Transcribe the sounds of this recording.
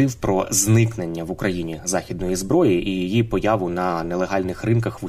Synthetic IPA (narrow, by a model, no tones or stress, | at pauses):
ɪwpɾɔznɪkne̞nʲːɐʋʊkɾʔɐjinʲizɑxʲid̪nɔjizbɾɔjiʔijijipɔjɑʋʊnɐnɛlˠeɦɑlʲnɪxrɪnkɐxʋʊ